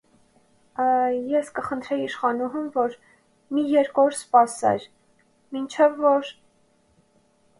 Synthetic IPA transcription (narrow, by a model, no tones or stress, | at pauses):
jɛskəχənt̪ʰɾɛjiʃχɑnuɦumvɔɾ | mijɛɾkɔɾspɑsɛ̰ɾ | mint͡ʃʰɛvːɔɾ